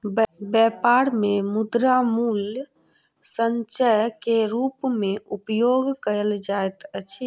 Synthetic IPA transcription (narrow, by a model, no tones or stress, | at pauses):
bɛpaɾmemud̪ɾamul | səɲt͡ʃəkeɾupmeupjoɡkəəld͡ʒajt̪ət͡ʃʰ